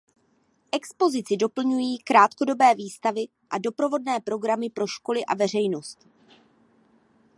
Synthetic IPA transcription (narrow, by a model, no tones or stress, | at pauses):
ʔɛkspo̞zɪt͡sɪdo̞pl̩ɲujiːkɾaːt̪kodo̞bɛːviːst̪avɪ | ʔado̞pɾo̞vo̞dnɛːpɾo̞ɡɾamɪpɾo̞ʃko̞lɪʔa̰vɛr̝ɛjno̞st̪